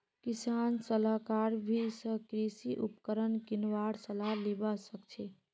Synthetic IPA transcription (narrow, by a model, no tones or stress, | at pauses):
kisansəlakaɾbʱisə̃kɾisiʔupkəɾənkinwaɾsəlalibəsəkt͡ʃʰɛ